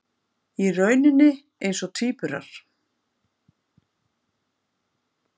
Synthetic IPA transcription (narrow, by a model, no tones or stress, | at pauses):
irœːɥnɪnːɪ | ejnsɔt̪ʰiːpʏɾa̰ɾ̥